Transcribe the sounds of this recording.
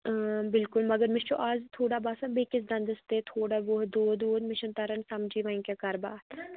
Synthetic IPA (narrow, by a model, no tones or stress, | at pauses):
bɪlkʊlmɐɡəɾmɪʃoʔaːzt̪ʰoːɽabaːsɐbekɪs̬d̪ɐ̃nd̪əst̪et̪ʰoːɽaʋoɦd̪uːd̪uːd̪mɪʃənt̪ɐɾənsɐmd͡ʒiʋãĩkekɐɾbaːt̪